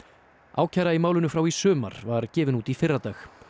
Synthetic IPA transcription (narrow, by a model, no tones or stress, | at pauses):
ʔa̰ːwcʰajɾaimaːwlʏnʏfɾawisʏːma̰ɾ̥vaɾcɛːvɪnuːt̪ifɪrat̪aːx